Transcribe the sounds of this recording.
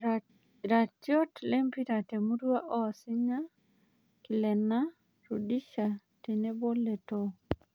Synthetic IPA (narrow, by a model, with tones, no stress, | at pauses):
ɾa˨tjo˦tle˦mpi˦ɾa˨te˨mu˦dwa˦ʔɔ˦˨sɪ˦ɲa˦ | ki˨lɛ˨na˦ | ɾu˨di˦ʃa˨ | te˨ne˦bo˦le˨to˦